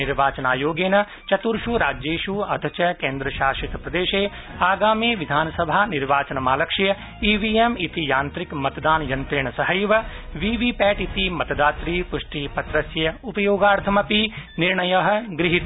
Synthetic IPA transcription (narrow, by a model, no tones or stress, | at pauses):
ɪɾʋaːt͡ʃɐnaːjoːɡeːnɐ | t͡ʃɐt̪uɾʃuɾaːd͡ʒeːʃuɐd̪ʱɐt͡ʃɐkẽːnd̪ɾɐʃaːʃit̪pɾɐd̪eːʃeː | aːɡaːmiːʋid̪ʱaːnsɐbʱaːniɾʋaːt͡ʃɐnmaːlɐkʃjɐ | iːʋiːemit̪ijaːnt̪ɾikmɐt̪d̪aːnjɐnt̪ɪːɳsɐɦɐjʋɐ | ʋiːʋiːpɛːʈit̪imɐt̪d̪aːt̪ɾiːpʊʂʈiːpɐt̪ɾɐsjɐupɐjoːɡaːɾt̪ʰɐmɐpiniɾɳɐjɐɦɐ̆ɡɾɪɦit̪